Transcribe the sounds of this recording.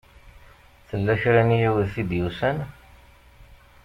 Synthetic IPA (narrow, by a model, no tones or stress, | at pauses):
θəlːæçɾænijæwðθid̪jusæn